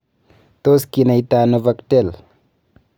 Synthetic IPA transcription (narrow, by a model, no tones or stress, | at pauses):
t̪oskinɐjt̪aːnuvɐkʈel